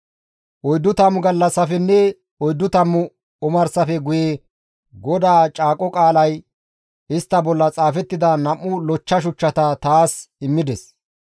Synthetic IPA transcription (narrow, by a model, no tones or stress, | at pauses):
ʔɔjd̪ːʊt̪ɐmːʊɡɐlːɐsɐfɛnːɛ | ɔjd̪ːʊt̪ɐmːʊ | ɔmɐɾsɐfɛɡʊjeː | ɡɔd̪aːt͡ʃʼaːkʼɔkʼaːlɐj | ɪst̪ːɐbɔlːɐt͡sʼaːfɛt̪ːɪd̪ɐnɐmːʊlɔt͡ʃːɐʃ̬ʊt͡ʃːɐt̪ɐt̪aːsɪmːɪd̪ɛs